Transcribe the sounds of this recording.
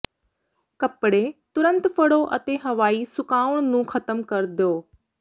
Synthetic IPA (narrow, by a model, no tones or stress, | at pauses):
kɐpɽet̪ʊɾə̃nt̪fəɽoʔət̪eɦɐʋaːisʊkaːʊɽ̃nũːxɐt̪əmkɐɾd̪joː